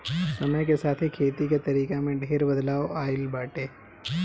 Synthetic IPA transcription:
sɐməjkesaːt̪ʰikʰeːt̪iket̪ɐɾiːkemẽɖʱeːɾbɐd̪laːoaːɪlbaːʈeː

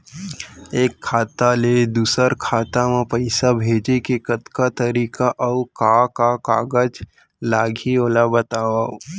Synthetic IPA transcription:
eːkʰːaːt̪aled̪uːsəɾkʰaːt̪amẽpɐɪsabʱeːd͡ʒekekət̪kat̪əɾiːkaʔɔʊkaːkakaːɡəd͡ʒ | laːɡʱioːlabət̪aːwa

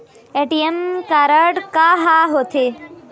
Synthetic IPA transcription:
eʈiemkaɾəʈkaɦaɦot̪ʰe

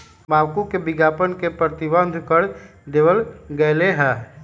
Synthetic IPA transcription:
maːʋkũkebɪɡaːpənkepɾət̪ɪbə̃nd̪ʱkəɽ | d̪eʋəlɡɛːleɦɛː

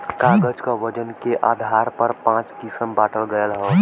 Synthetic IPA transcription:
kaɡət͡ʃkəʋəd͡ʒənkeʔad̪ʱaɾpəɾpãt͡ʃkisəmbaʈəlɡəjəlɦɔ

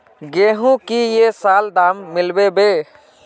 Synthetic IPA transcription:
ɡeːɦũkijesaːld̪aːmːɪlbebe

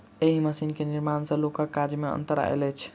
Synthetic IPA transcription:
eɦiməsinkeniɾmansə̃lokakːad͡ʒmeə̰nt̪əɾa̰ḛlɛt͡ʃʰ

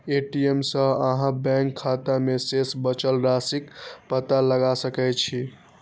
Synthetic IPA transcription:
eʈiemsəəɦãbɛ̃ŋkʰːat̪amesesbət͡ʃəlɾasikpət̪aləɡasəkɛt̪t͡ʃʰi

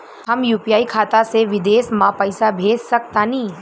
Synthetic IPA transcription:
ɦəmjuːpijaːikʰaːt̪aseʋɪd̪eːsmãpəɪsabʱeːd͡ʒsək̚t̪anĩː

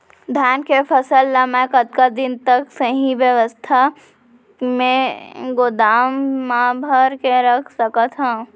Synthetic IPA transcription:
d̪ʱjaːnkepʰəsəlːamɛ̃kət̪̚kad̪ɪnt̪əksəɦiʋjəʋəst̪ʰa | mẽɡod̪aːmːabʱəɾkeɾəkʰsəkat̪ʰɦãː

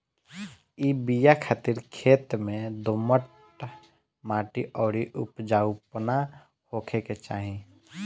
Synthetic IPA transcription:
iːbijakʰaːt̪iɾkʰeːt̪mẽd̪oːməʈ | maːʈiʔɔːɽiʔʊpd͡ʒaːupna | hoːkʰeket͡ʃaːɦĩ

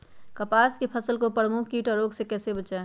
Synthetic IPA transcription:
kəpaːskepʰəsəlkopɾəmʊkʰkiːʈɔɾoːɡsekɛːsebət͡ʃae

